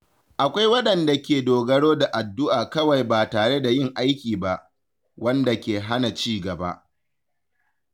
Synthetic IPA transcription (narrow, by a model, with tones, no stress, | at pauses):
ʔa˨kʷa˦jwɐ˦ɗɐ˨nda˨kʲeː˨doː˨ɡɐ˦ɽoː˦da˨ʔa˨dːʊ˦ʔaː˨kɐ˦wa˨jbaː˨taː˨ɽe˦da˨jɪ˦ŋʔa˦jkʲiː˨ba˦ʔ | wɐ˦nda˨kʲeː˨ɦa˦na˨t͡ʃiː˦ɡɐ˨ba̰˦ʔ